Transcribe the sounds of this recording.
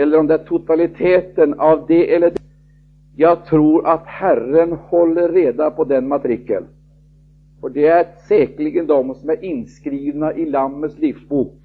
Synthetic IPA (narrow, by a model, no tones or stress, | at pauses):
ɛlːəɾɔmd̪ɛæʈʰʊt̪alɪt̪ʰeːt̪ənavd̪ɛʔɛlːəɖ | jɑːɡ̚t̪ʰɾuːɾʔat̪hærənhɔlːəːeːd̪apʰɔd̪ɛnmat̪ʰɾɪkːə̰n | ɔɖɛæɾsɛːklɪɡənd̪ɔmsɔmæɾʔɪnːskɾiːvnaʔɪlamːət̪slifsbuːk̚